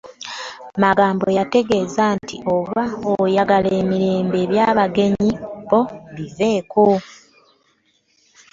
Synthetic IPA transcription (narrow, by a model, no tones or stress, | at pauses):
maɡaːmbo̞jate̞ɡe̞ːzantḭʔo̞βaojaɡale̞ːmiɾe̞ːmbe̞ːβjaːβaɡe̞ɲiβo̞βive̞ːko